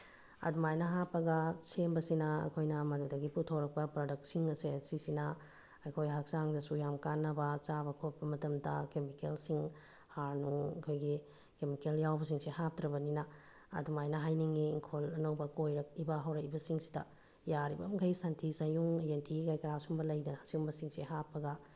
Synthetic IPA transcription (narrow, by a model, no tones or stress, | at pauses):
ɐ̰dumajnɐɦapːɐɡɐsembɐsinɐɐ̰kʰojnɐmɐdudɐɡiputʰowɾɐk̚pɐpɾodɐk̚tsiŋɐseɐsisinɐ | ɐjkʰojɦak̚t͡ʃaŋdɐsujamkanːɐbɐt͡ʃabɐkʰop̚bɐmɐtɐmdɐ̰kemikelsiŋ | haɾnuɐ̰kʰojɡi | kemikeljawbɐs̬iŋsehap̚tɾɐbɐninɐ | ɐ̰dumajnɐɦajniŋiːŋkʰolɐnɐwbɐkojɾɐk̚ibɐɦɐwɾɐkibɐsiŋsi̥dɐ̰ | jaɾibɐ̰mɡʰɐjsantʰisɐjuŋentʰikajkɐɾasumbɐlɐjdɐnɐsiumbɐsiŋseɦapːɐɡɐ